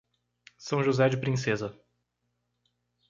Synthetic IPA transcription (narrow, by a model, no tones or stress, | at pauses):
sɐ̃w̃ʒuzɛd͡ʒɪpɾĩsɛzɐ